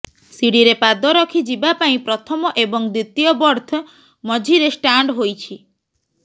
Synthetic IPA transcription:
siɽiɾepad̪ɔɾɔkʰid͡ʒibapaĩpɾɔt̪ʰɔmɔʔebɔŋd̪ɾit̪ːijɔbɔɾt̪ʰɔ | mɔd͡ʒʱiɾesʈaɳɖɦojt͡ʃʰi

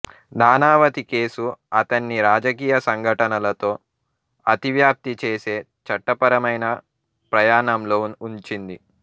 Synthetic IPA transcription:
naːnaːʋɐt̪ike̞ːsuɐt̪ɐnːiɾaːd͡ʒɐkiːjɐsɐŋɡʱɐʈɐnɐlɐt̪o̞ː | ɐt̪iʋjaːp̚t̪it͡ʃe̞ːse̞ː | t͡ʃɐʈːɐpɐɾɐmɐjnɐ | pɾɐjaːɳɐmloːuɲt͡ʃind̪i

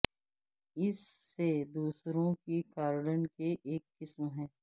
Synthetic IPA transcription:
ɪsːed̪uːsɾõkikaːɾɽənkeʔeːkːɪsmɦɛ̃ː

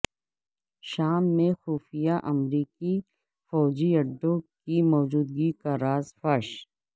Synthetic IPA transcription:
ʃaːmːẽxuːfijaʔɐmɾiːki | fɔːd͡ʒiɐɖːõkimɔːd͡ʒuːd̪̚ɡikaɾaːzfɐɾʃ

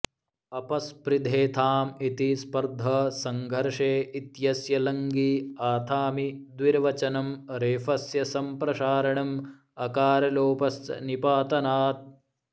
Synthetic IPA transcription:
ɐpɐspɾid̪ʱeːt̪ʰaːmit̪ispɐɾd̪ʱɐsɐŋɡʱɐɾʂeːit̪jɐsjɐlɐŋɡiaːt̪ʰaːmid̪ʋiɾʋɐt͡ʃɐnɐmɾeːfɐsjɐsɐmpɾɐʃaːɾɐɳɐm | ɐkaːɾɐloːpɐsnipaːt̪ɐnaːt̪̚

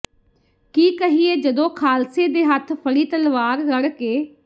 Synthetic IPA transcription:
kiːkəɦiːeːd͡ʒəd̪õːkʰaːlseːd̪eːɦət̪ʰpʰəɽiːt̪əlʋaːɾːəɽkeː

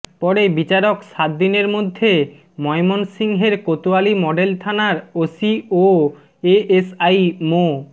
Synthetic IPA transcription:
pɔɾebit͡ɕaɾokʃat̪̚d̪ineɾmod̪ʱːe | mɔemonsiŋɦeɾkot̪ualimɔɖelt̪ʰanaɾosio | eesajmo

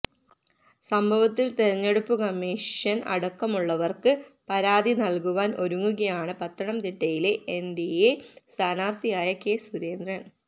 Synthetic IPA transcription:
sɐmbʱɐʋɐt̪ːilt̪eɾɐɲːeɽupːukɐmːiːʂjɐnɐ̰ɽɐkːɐmuɭːɐʋɐrkɨpɐɾaːd̪inɐlkuʋaːnʔo̞ɾuŋːuɣɐjaːɳɨpɐt̪ːɐɳɐmt̪iʈːɐjile̞enɖiest̪ʰaːnaːrt̪ʰijaːjɐke̞ːsuɾe̞ːnd̪ɾɐn

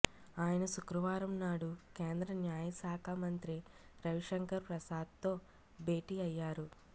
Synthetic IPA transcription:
aːjɐnɐʃukɾɐʋaːɾɐmnaːɽukeːnd̪ɾɐnjaːjɐsaːkʰaːmɐnt̪ɾiɾɐʋiʂɐŋkɐɾpɾɐsaːd̪̚t̪o̞ː | be̞ːʈiːɐjːaːɾu

